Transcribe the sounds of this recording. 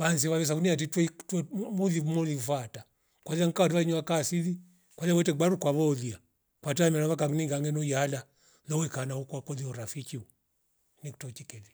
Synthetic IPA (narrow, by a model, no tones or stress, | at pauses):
βansiβaβɛs̬akuniat̬itwɛitmulimɔlifata | kwaliaŋ̩kawatiβaiɲuakasili | kwaliawɛtɛɡ͡baɾukwaβɔlia | kwatamɛɾaβakaɡniŋɡaŋɛnɔjala | lɔwɛkanaukwakɔliɔɾafikiu | nikitɔt͡ʃikɛli